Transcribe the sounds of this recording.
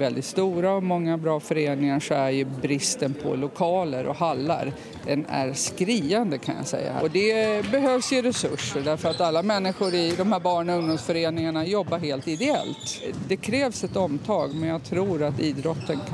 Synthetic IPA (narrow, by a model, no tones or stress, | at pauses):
vɛld̪ɪt̪st̪uːɾaɔmɔŋːabɾɑːfœɾeːnɪŋaʂɔæɾjɵbɾɪst̪ənpʰɔ̰lʊkʰɑːləɾʔɔ̰ɦalːa̰ɾ | d̪ɛnæ̰ɾskɾiːand̪əkʰanja̰sɛ̰jːa̰ɔd̪ɛbɛɦøːvsjɵɾɛsɵʂːəɖæɾfœɾat̪alːamɛnːɪɧʊɾɪd̪ɔmhæɾbɑːɳɵŋd̪ʊmsfœɾeːnɪŋaɳajɔbːaɾɦeːlt̪ɪd̪ɛɛ̰lt̪d̪ɛkʰɾɛːvsɛt̪ɔmt̪ʰɑːɡmɛnjaɡt̪ʰɾuːɾat̪iːd̪ɾɔt̪ːən